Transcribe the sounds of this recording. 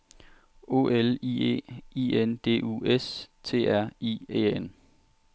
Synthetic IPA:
o̝̰ʔeliḛːiːend̥e̝̰ːʔṵest͡sʰe̝̰ːæɐ̰iḛːen

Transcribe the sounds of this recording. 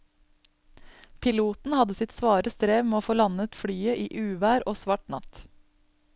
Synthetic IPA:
pʰɪluːt̪n̩hɑd̪əsɪt̪sʋɑːɾəst̪ɾeːʋmeːoːfoːlɑnət̪fɽyːəʔiːʔʉːʋæːɾʔoːsʋɑʈnɑ̰t̪

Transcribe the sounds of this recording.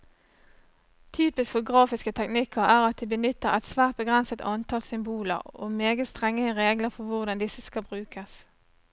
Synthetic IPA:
t̪ʰyːpɪskfɔɡʁɑːfɪskət̪ʰɛknɪkʰəʁæːʁɑt̪̚d̪ibənʏt̪ːəʁɛ̰t̪sʋæːʁt̪̚bəɡʁɛnsət̪ʰɑnt̪ʰɑlsʏmbuːlə̰ʁo̰ːmeːɡət̪st̪ʁɛŋːəʁeːɡləʁfɔʋʊʁd̪ɑnd̪ɪsəskɑbʁʉːkəs

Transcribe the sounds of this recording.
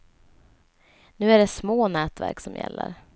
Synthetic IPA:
nʉ̟ːæɖɛsmoːnɛːt̪væɾksɔmjɛ̰lːə̰ɾ

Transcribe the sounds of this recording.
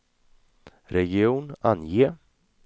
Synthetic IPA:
ɾɛɡɪuːnanjeː

